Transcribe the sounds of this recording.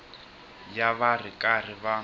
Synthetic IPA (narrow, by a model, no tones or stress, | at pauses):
jaβarɪkʼar̤ɪβa